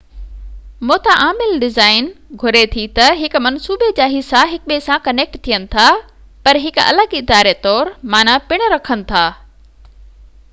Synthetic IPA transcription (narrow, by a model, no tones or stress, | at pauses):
moːt̪aʔaːmɪlɖɪzaːɪnɡʱʊɾet̪ʰit̪ɐɦɪkmɐnsuːbʱed͡ʑaːɦisaɦɪk̚ɓesãkɐneːk̚ʈt̪ʰijənɪ̆t̪ʰa | pɐɾɦɪkɐ̰ləɡɪd̪aːɾet̪ɔːɾmaːnapɪɽ̃ɾɐkʰənɪ̆t̪ʰaː